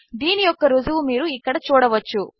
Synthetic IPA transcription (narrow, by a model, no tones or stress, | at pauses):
d̪iːnijɔkːɐɾuzuʋumiːɾuiːkɐɽet͡ʃɔːɽɐʋɐt͡ʃːu